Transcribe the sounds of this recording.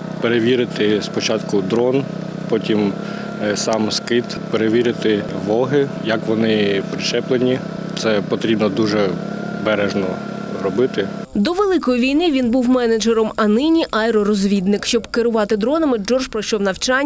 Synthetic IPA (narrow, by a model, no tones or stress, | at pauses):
peɾeʋʲiɾɪt̪ɪspɔt͡ʃɑt̪kʊd̪ɾɔn | pɔtʲim | sɑmskɪt̪ | peɾeʋʲiɾɪt̪ɪʋɔɦɪjɐkʋɔnɪpɾɪʃɛplˠenʲi | t̪sɛpɔt̪ɾʲibnɔd̪uʒɛ | bɛɾɛʒnɔ | ɾɔbɪt̪ɪ | d̪ɔʋelˠɪkɔjiʋʲijnɪʋʲinbuwmɛnɐd͡ʒeɾɔmɐnɪnʲiʔɐjɾɔɾɔzʲʋʲid̪nɪkʃt͡ʃɔbkɪɾʊʋɑt̪ɪd̪ɾɔnɐmɪd͡ʒɔrʒpɾɔʃɔwnɐwt͡ʃɑnʲ